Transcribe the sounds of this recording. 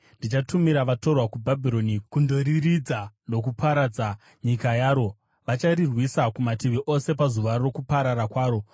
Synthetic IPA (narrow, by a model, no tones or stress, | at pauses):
ndit͡ʃatumiɾaʋato̞rwakubʱabʱiɾo̞nikundoɾirid͡zano̞kupʰaɾad͡za | ɲikajaːɾo̞ | ʋat͡ʃaɾirwisakumatiʋiʔo̞se̞pazuʋaro̞kupaɾaɾakwaːɾo̞